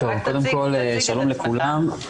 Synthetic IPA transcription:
tovkod̪emko̞lʃalomlekʰulam

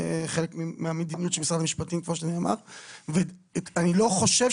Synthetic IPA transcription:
χelekmimeamed̪inijutt͡ʃelmisʁadamiʃpatimkmoʃaniama̰ʁveanilo̞χo̞ʃev

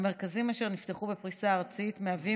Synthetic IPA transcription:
me̞ʁkazimaʃe̞ʁnifteχubepʁisaːʁt͡sitmeavi

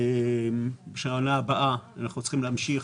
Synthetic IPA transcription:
e | beʃaanaːbaʔaanaχnut͡sχimleamʃiχ

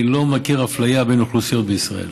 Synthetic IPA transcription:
lo̞makiʁaflajabe̞jnuχlusijo̞t̪beisʁaḛl

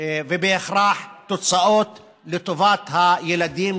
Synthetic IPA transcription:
vebeʔexɾaːħt̪ot͡sˤɑʔoːt̪ | let̪ovat̪hajelad̪iːm

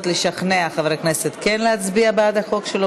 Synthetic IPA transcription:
t̪leʃaχneaχavʁekneset̪kenleat͡sbiabead̪aχo̞kʃelo

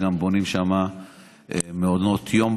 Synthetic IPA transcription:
ɡambonimʃama | emeod̪mot̪ʰjo̞m

